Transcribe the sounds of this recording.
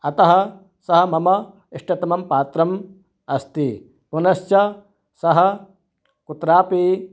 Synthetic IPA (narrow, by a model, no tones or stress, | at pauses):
ɐt̪ɐɦɐ̆ | sɐɦɐ̆mɐmɐ | iʂʈɐt̪ɐmɐmpaːt̪ɾɐm | ɐst̪i | punɐst͡ʃɐ | sɐɦɐ̆ | kut̪ɾaːpi